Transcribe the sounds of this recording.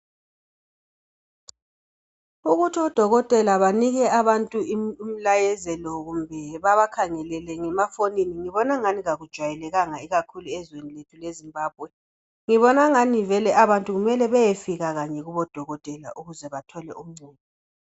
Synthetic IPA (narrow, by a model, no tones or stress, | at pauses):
uɣutʰɔd̥ʱɔɣɔtʼɛlaβaniɣɛaβantʼuiim̩lajɛzɛlɔɣumbʱɛβaβakʰaŋɛlɛlɛŋɛmafoniniŋiβɔnaŋaniɣaɣud̥ʒ̥ʱwajɛlɛɣaŋaiɣakʰuluɛzweniletʰulezimbaːb̚ʱwɛ | ŋiβɔnaŋanivɛlɛʔaβantʼuɣumɛlɛβɛjefiɣaɣaɲɛɣuβɔd̥ʱɔɣɔtʼɛla̰ʔuɣuzɛβatʰɔlɛum̩ŋ͡ǀuːβɔ